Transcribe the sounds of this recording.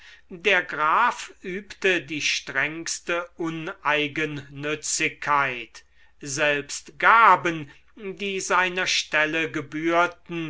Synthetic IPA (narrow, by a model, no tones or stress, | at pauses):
deːɐɡʁaːfʔyːptədiːʃtʁɛŋstəʔʊnʔaɪɡənːʏt͡sɪkʰːaɪt | zɛlpstɡ̥aːbən | diːzaɪnɐʃtɛləɡəbyːɐtn̩